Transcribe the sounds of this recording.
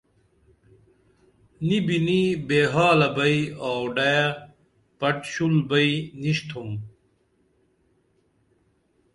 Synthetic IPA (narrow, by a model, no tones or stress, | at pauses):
nibinibeːɦaːlɐbɐiaːwɖɐja | pɐʈɕulbɐiniɕt̪ʰum